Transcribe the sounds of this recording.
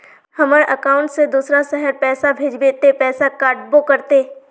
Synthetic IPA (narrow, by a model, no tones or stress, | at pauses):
hɐməɾʔəkaːʊ̃ɳʈsed̪uːsɾasɛɦəɾpɛːsabʱeːd͡ʒbeːt̪epɛːsakaːɾʈ̚bokɐɾt̪eː